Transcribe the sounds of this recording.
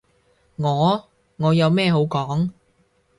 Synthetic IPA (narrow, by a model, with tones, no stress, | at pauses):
ŋɔː˨˧ | ŋɔː˨˧jɐ˨˧wmɛː˥˧ɦo˨˥wkɔː˨˥ŋ